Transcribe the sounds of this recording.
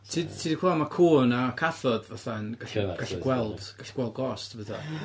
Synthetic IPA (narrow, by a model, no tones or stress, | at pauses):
tʰidtʰiːdkwaamakʰuːnakʰaθɔdvaθanɡ̥aɬɡ̥aɬɛɡ̥wɛlˠd̥ɡ̥aɬi̥ɡwɛlˠd̚ɡɔstʰvəθa̰